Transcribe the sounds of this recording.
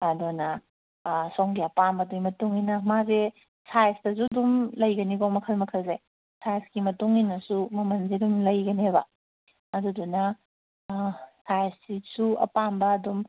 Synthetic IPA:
ɐdonɐ | soŋɡiɐpambɐduimɐtuŋinɐmaze | sajstɐzudumlɐjɡɐniɡomɐkʰɐlmɐkʰɐlze | sajsɡimɐtuŋinɐsumɐmɐnzidumlɐjɡɐneβɐ | ɐdudunɐ | sajssisuɐ̰pambɐːdum

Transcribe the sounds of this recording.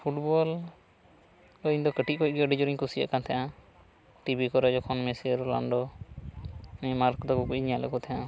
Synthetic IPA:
pʰuʈbɔl | ɔiɲd̪ɔkəʈit̚kɔc̚ˀɡɛəɖid͡ʒɔɾiɲkusia̰ʔkant̪ʰɛjã | ʈibikɔɾɛd͡ʒɔkʰɔnmɛsiɾla̰ɳɖɔ | nɛmaɾkd̪ɔkɔkuɲiɲalɛ̰kɔt̪ʰɛjã

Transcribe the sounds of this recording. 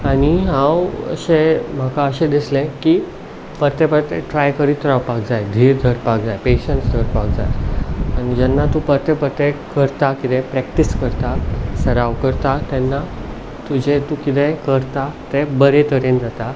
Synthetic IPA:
añiɦãwə̰ɕem̤akaəɕẽd̪islẽki | pəɾt̪ɛpət̪ɛʈɾajkəɾit̪ɾawpak̚d͡zajd̪ʱiːɾd̪ʱəɾpakd͡zajpeɕəɳʈsd̪ʱəɾpak̚d͡za̰jañid͡ʑɛnːat̪ũpət̪ɛpət̪ekəɾt̪akit̪ɛ̃pɾɛk̚ʈiskəɾt̪asəɾaʋkəɾt̪at̪ɛnːa | t̪ud͡ʑʱet̪ũkit̪ɛ̃kəɾt̪at̪ɛ̃bəɾẽt̪əɾend͡zat̪a

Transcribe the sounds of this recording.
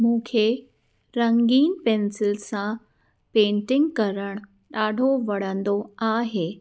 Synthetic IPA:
mũːkʰe | ɾɐ̃ŋɡiːnpẽːnsɪlsã | pẽːɳʈɪ̃ŋɡkɐɾəɽ̃ | ɗaːɖʱoʋɐɽ̤ə̃nd̪oaːɦeː

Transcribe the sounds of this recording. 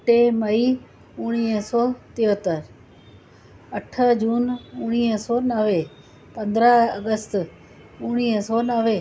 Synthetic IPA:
ʈeːməiː | ʊɽ̃iːɦsɔːt̪iːət̪əɾ | əʈʰəd͡ʒuːnʊɽ̃iːsɔːnəʋeː | pə̃nd̪ɾəəɡəst̪ | ʊɽ̃iːɦəsɔːnəʋeː

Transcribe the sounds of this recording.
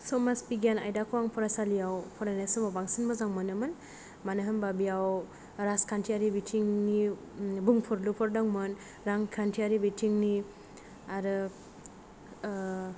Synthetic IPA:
sɔmaspiɡana̰jdakʰɔwaŋpʰɔɾasalijawpʰɔɾanesɯbabaŋsinbɔzaŋmɯnɯmɯn | manɯɦɯnbabijaw | ɾaskʰantʰiaɾibitʰiŋni | buŋpʰɔɾlupʰɔɾdaŋmɯn | ɾaŋkʰantʰiaɾibitʰiŋni | aɾɯ

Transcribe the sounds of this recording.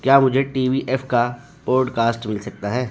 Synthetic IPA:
kjaːmʊd͡ʒʱeʈiːʋiʔɛːfka | boːɖkaːsʈmɪlsɐk̚t̪aɦɛː

